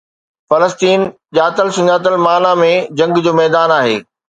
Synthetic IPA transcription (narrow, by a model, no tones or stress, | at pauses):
fɐləst̪iːn | ʄaːt̪əlsʊ̃ɲaːt̪̬əlmaːlãmẽd͡ʑɐ̃ŋɡd͡ʑoːmɛːd̪aːnaːɦḛː